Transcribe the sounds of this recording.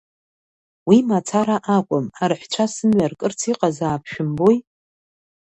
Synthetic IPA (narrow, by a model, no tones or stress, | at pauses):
wimat͡sʰaɾaʔakʷʼʊmarħʷt͡ʃʷʰasɨmɥarkʼɨrt͡sʰiqʼazaːpʰʃᶣʊmboj